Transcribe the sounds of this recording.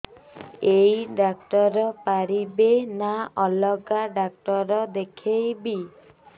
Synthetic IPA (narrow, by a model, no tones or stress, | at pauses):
ejɖakʈɔɾɔpaɾibenaɔlɔɡaɖak̚ʈɔɾɔd̪ekʰejbi